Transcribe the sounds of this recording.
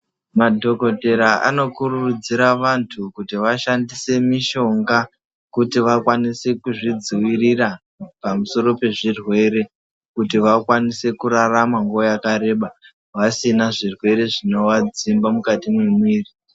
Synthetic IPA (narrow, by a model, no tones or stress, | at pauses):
madʱo̞ko̞te̞ɾaa̰no̞kururud͡ziɾaʋantʰukutiʋaʃandise̞miʃo̞ŋɡa | kutiʋakwanise̞kuʐid͡ziwirira | pamuso̞ɾo̞pe̞ʐirwe̞ɾe̞ | kutiʋakwanise̞kuɾaramaŋɡojakaɾe̞ːɓa | ʋasinaʐirwe̞ɾe̞ʐino̞wad͡zimbamukatimwemwiːri